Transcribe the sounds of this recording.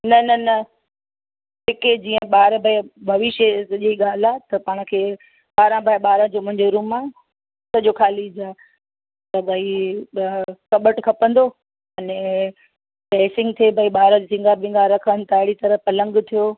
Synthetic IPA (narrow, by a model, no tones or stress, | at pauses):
nɐnɐnɐ | pɪked͡ʑiːə̃ɓaːɾbʱaebʱɐʋɪʃəsɐʄeiɠaːl̤at̪ɐpaːɽ̃̆kʰeː | ɓaːɾãbʱaɓaːɾãd͡ʑomʊ̃ɦɪ̃ɲd͡ʑoɾũːmːã | sɐʄokʰaːlid͡ʑaː | t̪ɐbʱɐi | kɐɓəʈkʰɐpə̃nd̪o | ɐnɛ̃ | pɛːsɪ̃ŋɡt̪ʰiebʱɐiɓaːɾãd͡ʑsɪ̃ŋɡʱabɪ̃ːŋɡʱaɾɐkʰənɪ̆t̪aɦɪɽit̪ɐɾəpɐlə̃ŋɡt̪ʰijoː